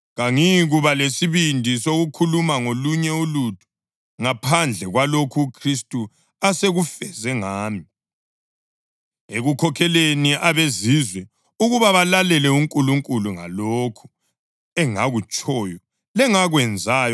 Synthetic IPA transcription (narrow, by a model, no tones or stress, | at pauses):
ɣaŋiɣuβalesiβindʱisoɣukʰulumaŋoluɲɛulutʼu̥ | ŋapʰand͡ɮʱɛɣwalokʰuːkʰristʼu | aseɣufɛzɛŋaːmi | eɣukʰɔkʰɛleniʔaβezizwɛ | uɣuβaβalalɛlɛuŋkʼuluŋkʼuluŋa̰lokʰu̥ | ɛŋaɣut͡ʃʼɔjɔ | lɛŋaɣwɛnd͡zʱaːjɔ